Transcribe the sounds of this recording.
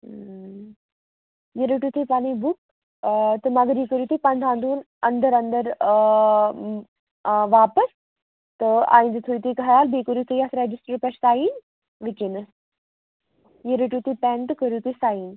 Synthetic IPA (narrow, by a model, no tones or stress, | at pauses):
jeɾeʈut̪ʰipaːɽ̃ibuk̚ | t̪əmɐɡɾikəɾjuːt̪ʰipand̪ʱãːnd̪uːn | ɐnd̪əɾɐnd̪əɾ | ʋaːpəs | t̪əa̰ːĩnd̪t̪ʰoit̪ikɐɦɾaːlbʱekəɾut̪ʰujasɾed͡ʒisʈəɾpɛssaːiːn | ʋikinəs | jeɾeʈut̪ʰipɛːnʈkəɾjut̪isaːiːn